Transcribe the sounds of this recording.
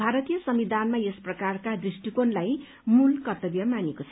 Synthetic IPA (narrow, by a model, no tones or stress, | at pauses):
bʱaɾʌt̪ijʌsʌmid̪ʱanmajesprʌkarkad̪risʈikonlaj | mulkʌrt̪ʌbjʌmanekot͡sʰʌ